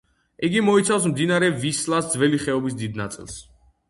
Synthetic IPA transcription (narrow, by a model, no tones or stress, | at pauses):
iɡimɔit̪sʰafs̬md̪inaɾɛvislˠasd̪zvɛliχɛɔbisd̪id̪na̰t̪sʼḭlˠs